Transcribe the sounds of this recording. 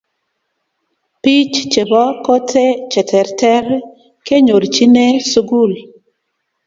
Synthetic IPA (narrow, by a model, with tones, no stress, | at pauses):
pi˦t͡ʃt͡ʃe˨bɔ˦ko˦tʰe˦t͡ʃɛ˨tʰɛ˨ɾtɛ˦ɾ | ke˦ɲo˨ɾt͡ʃi˦ne˦su˦ɡu˦˨l